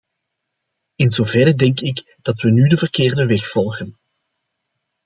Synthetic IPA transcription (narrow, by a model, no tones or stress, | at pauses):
ɪnzovɛrədɛŋkɪk | d̥ɑtʋənydəvərkɪːrdəʋɛxfɔlˠɣən